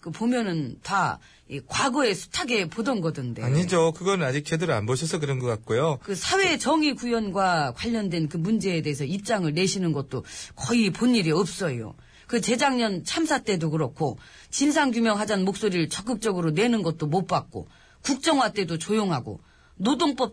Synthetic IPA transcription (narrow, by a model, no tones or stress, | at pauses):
kɯpomjʌnɯnta̰ | ikwaɡʌe̞sʰu̥tʰaɡe̞podʌnɡʌdɯnde̞aɲid͡ʑokɯɡʌnnad͡ʑik̚t͡ɕʰedɯɾa̰nbʌɕʰʌs̬ʰʌkɯɾʌnɡʌk͈at̚k͈ojokɯsʰawe̞t͡ɕʌŋikujʌnɡwakwaʎːʌndwe̞nkɯmund͡ʑe̞ːde̞ɦːs̬ʰʌip̚t͡ɕ͈aŋɯɭne̞ɕʰinɯnɡʌt̚t͈okʌiponːiɾiʌp̚s͈ʌjo̰ | kɯt͡ɕe̞d͡ʑaŋɲʌnt͡ɕʰamsʰat͈e̞dokɯɾʌkʰo | t͡ɕinsʰaŋɡjumjʌŋɦad͡ʑanmok̚s͈oɾiɯɭt͡ɕʌk̬͈ɯk̚t͡ɕ͈ʌɡɯɾone̞nɯnɡʌt̚t͈omop͈ak̚k͈o̰ | kuk̚t͡ɕ͈ʌŋɦwat͈e̞dot͡ɕojoŋɦaɡo̰ | nodoŋp͈ʌp̚